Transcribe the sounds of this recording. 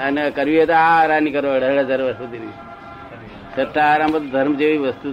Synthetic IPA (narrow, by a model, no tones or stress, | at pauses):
ənekəɾʋiɦət̪oaɾanikəɾoəɽəɽɦəd͡ʒaɾʋəɾsud̪iɾʋi | səʈʰːaːɾambət̪d̪ʱəɾmd͡ʒeʋiʋəst̪u